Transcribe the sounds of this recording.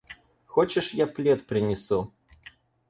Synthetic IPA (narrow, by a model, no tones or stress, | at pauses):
xot͡ɕɪʂjaplʲet̪pɾʲɪnʲɪsu